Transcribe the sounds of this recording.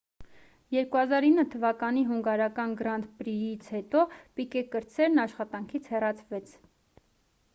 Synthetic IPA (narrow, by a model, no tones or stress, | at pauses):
jɛɾkuɦɑzɑɾinːət̪ʰəvɑkɑniɦuŋɡɑɾɑkɑnɡəɾɑnt̪pɾijit͡sʰhɛt̪ɔpikɛkəɾt͡sʰɛɾnɑʃχɑt̪ɑŋkʰit͡sʰhɛrɑt͡sʰvɛt͡sʰ